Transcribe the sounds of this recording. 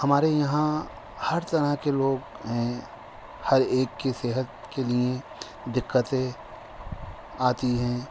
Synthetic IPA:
hɐmaːɾejɐɦã | hɐɾt̪ɐɾəɦkeloːɡ | ɦɛ̃ | hɐɾeːkːeseːɦət̪kelie | d̪ɪkːət̪ẽ | aːt̪iɦɛ̃ː

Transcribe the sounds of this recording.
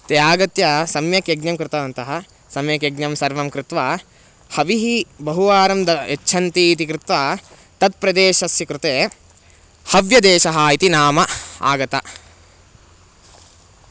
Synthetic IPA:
t̪ejaːɡɐt̪jɐsɐmjɐkjɐɡ̚nɐmkɾɪt̪ɐʋɐnt̪ɐɦɐ | sɐmjɐkjɐɡnɐmsɐɾʋɐmkɾɪt̪ʋa | hɐʋiɦibɐɦuʋaːɾɐmd̪ɐet͡ʃːʃʰɐnt̪iːt̪ikɾɪt̪ʋa | t̪ɐt̪̚pɾɐd̪eːʃɐsjɐkɾɪt̪eː | hɐʋjɐd̪eːʃɐɦɐit̪inaːmɐa̰ːɡɐt̪ɐ

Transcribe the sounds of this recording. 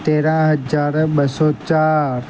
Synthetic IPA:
t̪eːɾãɦəd͡ʒaːɾɓəsɔt͡ʃaːɾ

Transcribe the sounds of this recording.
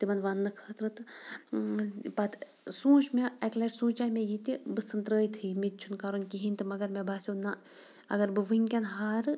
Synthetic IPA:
t̪imɐnʋanːɨkʰɐːt̪ɾɨt̪ɨ | pɐt̪ʰ | sũːʃmeɐklɐʈsũːt͡ʃaːmejit̪ibɨsɨnt̪ɾəːjt̪ʰɨːmit̪̚t͡ʃʰunkaɾonkiɦinʲt̪ɨmɐɡɐɾmebʱaːsʲina | ɐ̰ɡɐɾbɨʋɨŋʲkʲɐnɦaːɾɨ

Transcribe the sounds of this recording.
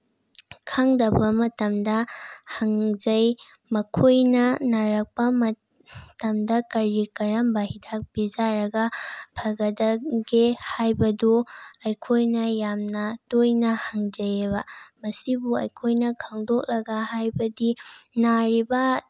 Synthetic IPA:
kʰaŋdɐbɐmɐtɐmdɐhɐŋzɐj | mɐkʰojnɐnaɾɐk̚pɐmɐ | tɐmdɐkɐɾikɐɾɐmbɐɦidʰak̚b̥izaɾɐɡɐpʰɐɡɐdɐɡehajbɐduɐjkʰojnɐjamnɐtojnɐhɐŋzɐjebɐmɐsibuɐ̰jkʰojnɐkʰaŋdok̚lɐɡɐhajbɐdinaɾibɐ

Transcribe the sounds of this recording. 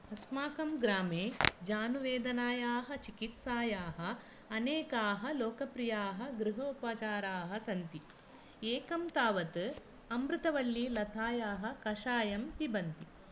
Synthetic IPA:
ɐsmaːkɐmɡɾaːmeːd͡ʒaːnuʋeːd̪ɐnaːjaːɦɐ̆t͡ʃikit̪saːjaːɦɐ̆ː | neːkaːɦɐloːkɐpɾijaːɦɐ̆ɡɾuɦoːpat͡ʃaːɾaːɦɐ̆sɐnt̪i | eːkɐmt̪aːʋɐt̪ɨ | ɐmɾɨt̪ɐʋɐɭːilɐt̪ʰaːjaːɦɐ̆kɐʃaːjɐmpibɐnt̪i

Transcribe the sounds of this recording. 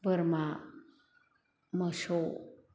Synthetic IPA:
bəɾma | məʃo

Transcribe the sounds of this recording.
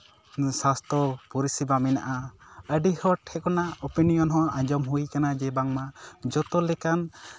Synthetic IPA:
sast̪ʰɔpɔɾisibamina̰ʔaəɖihɔʈhɛkɔnaɔpinijɔnɦɔ̃ãd͡ʒɔmɦujkanad͡ʒɛbaŋmad͡ʒɔt̪ɔlɛkan

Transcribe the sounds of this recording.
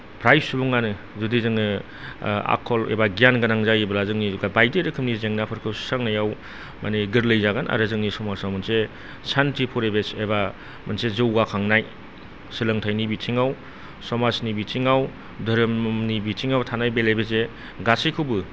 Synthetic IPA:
pʰɾajp̚subuŋanɯ | zudizɯŋnɯ | a̰kʰɔlḛbaɡijanɡanaŋzajebɐlazɯŋniɡabajdeɾɯkʰɯmnizeŋnapʰɯɾkʰɯssaŋnajaw | maniɡɯɾlɐjzaɡanʔa̰ɾɯzɯŋnisɔmasawmɐnse | sʰantʰipʰuɾebeseba | mɐnsezɯwɡakʰaŋnaj | sɯlɐŋtʰajnibitʰiŋaw | sɔmasnibitʰiŋaw | dɐɾɯmnibitʰiŋawtʰanajbelebeze | ɡasikʰɯwbɯ

